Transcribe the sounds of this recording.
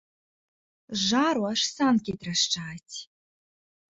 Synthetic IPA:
ʐaɾwaʂsankʲet̪raʂʈ͡ʂaːtʲʰ

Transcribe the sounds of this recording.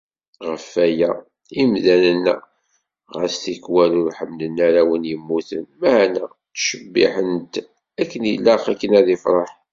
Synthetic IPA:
ʁəfːæjæ | imðænən̰ː | ʁə̰sθikwælʊɾħəmnənːæɾæwənjəmːuθənmæhænæ | tʃəbːḭħənt̪ | ækːənilːɑχækːənæðifɾˤɑħ

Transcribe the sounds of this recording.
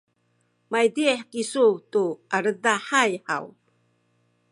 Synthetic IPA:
majdiħkisutuʔaɾədaħajħa̰w

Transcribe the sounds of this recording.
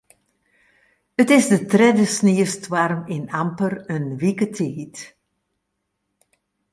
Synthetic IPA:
ətɪzdətrɛdəsniəstwarmɪnampərənʋikətʰeːt

